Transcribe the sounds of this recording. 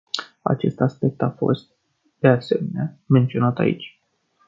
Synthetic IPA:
a̰t͡ʃe̞st̪aspe̞k̚t̪afo̞̰st̪̚ | d̪̥e̞ase̞me̞neament̪sio̞nat̪a̰ḭt͡ʃʲ

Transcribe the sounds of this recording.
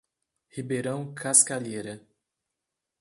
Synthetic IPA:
hibeɾɐ̃w̃kʰaskaʎeɾɐ

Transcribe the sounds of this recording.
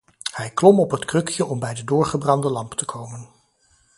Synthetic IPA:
hɛjklɔmɔpɦətkrɵkjəʔɔmbɛjdədʊːɹχəbrɑndəlɑmptəkʰowmən

